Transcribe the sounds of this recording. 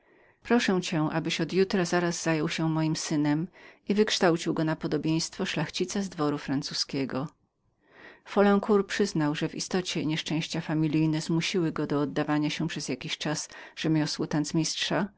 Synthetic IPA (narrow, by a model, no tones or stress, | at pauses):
pɾɔʂɛ̃t͡ɕɛ̃ʔa̰bɘɕɔd̪jut̪ɾazaɾaz̥ːajɔwɕɛmɔjimsɘnɛmivɘkʂt̪awt͡ɕiwɡɔnapɔd̪ɔbʲjẽj̃st̪fɔʂlaxt͡ɕit̪sazd̪vɔɾufɾant̪suskʲɛɡɔ | fɔlɛ̃ŋkuɾpʂɘznawʐɛvḭst̪ɔt͡ɕɛɲɛʂt͡ʂɛ̃w̃ɕt͡ɕafamʲilʲijnɛzmuɕiwɘɡɔd̪ɔːd̪ːavaɲaɕɛpʂɛzʲjakʲiɕt͡ʂasʐ̥ɛmʲjɔswɔt̪anzmʲistʂa